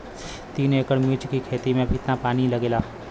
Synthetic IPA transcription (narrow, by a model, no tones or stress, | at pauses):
t̪iːneːkəɽmɪt͡ʃkikʰeːt̪imẽɐbʱit̪napaːnilɐɡeːlaː